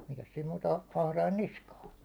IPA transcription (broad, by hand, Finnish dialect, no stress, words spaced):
mikæs siːm muːtɑ ɑh ɑhrɑin niskɑː